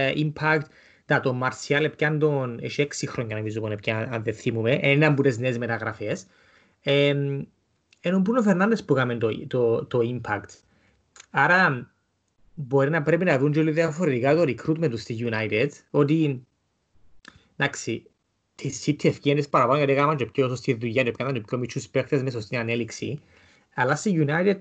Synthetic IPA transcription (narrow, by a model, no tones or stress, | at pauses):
impʰakt̪ | d̪ɐt̪omːɐɾsiɐlepcɐnd̪oneʃieksixɾoɲːɐnomizumonep̚caɐnðeθimumeʔeninɐmbut̪ezneːzmet̪ɐɣɾɐfes | e | enombunofeɾnɐnd̪espukɐment̪ot̪ot̪oimpʰɐkt̪ | aɾɐ | bo̞ɾinɐpɾepinɐðund͡ʒoliðiɐfoɾet̪ikat̪oɾikɾut̪ment̪ust̪iʝunajt̪ed̪ot̪i | d̪aksi | t̪ʰisːit̪ʰːiefciɐnespɐɾɐpanojɐt̪ikɐmɐnd͡ʒopçosost̪iðujɐnopikɐmɐnd͡ʒopçomit͡ʃːuspekt̪ezmes̬ost̪inɐneliksḭ | ɐlːast̪iʝunajt̪ed̪̚